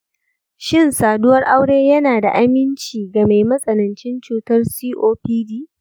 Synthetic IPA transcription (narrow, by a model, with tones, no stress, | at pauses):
ʃɪ˦˨nsaː˨dʊ˦wɐ˦rʔa˦wɽeː˦jɐ˦naː˨da̰˨ʔa˦mɪ˦nt͡ʃiː˨ɡa˨me˨jmɐ˦sʼɐ˨nɐ˨nt͡ʃɪ˦nt͡ʃuː˦tɐ˦rsiː˦ʔoː˦piː˦diː˦